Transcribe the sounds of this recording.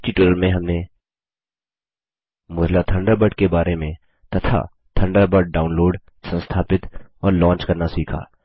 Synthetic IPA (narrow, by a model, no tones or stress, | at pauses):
t͡ʃiʈuɾəlmẽɦɐmne | mʊɾlat̪ʰɐ̃ɳɖəɾbəʈkebaːɾemẽ | t̪ɐt̪ʰa̰ | t̪ʰɐ̃ɳɖəɾbəɖ̚ɖaːʊnloːɖ | sə̃nst̪ʰaːpɪt̪ɔːɾlɔ̃ːnt͡ʃkɐɾnasiːkʰa̰ː